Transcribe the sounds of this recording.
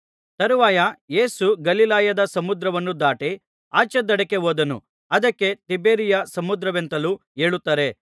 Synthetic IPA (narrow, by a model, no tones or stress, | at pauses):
t̪ɐɾuʋaːjɐje̞ːsuɡɐlilaːjɐd̪ɐsɐmud̪ɾɐʋɐnːud̪aːʈe | a̰ːt͡ʃɐd̪ɐɽɐke̞ɦoːd̪ɐnṵ | ɐd̪ɐkːe̞t̪ibeːɾijɐsɐmud̪ɾɐʋent̪ɐlu | eːɭut̪ːaːɾe̞